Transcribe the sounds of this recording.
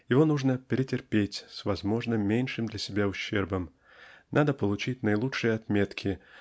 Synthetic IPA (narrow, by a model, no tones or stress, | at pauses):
jɪvo̞nuʐnəpʲɪɾʲɪtʲɪrpʲetʲsvɐzmo̞ʐnɨmːʲenʲʂɨmd̪lʲɐsʲɪbʲaʊɕːerbəm | nʔad̪əpəlˠʊt͡ɕitʲnəɪlˠutʂɨjəɐt̪mʲe̞t̪kʲʰɪ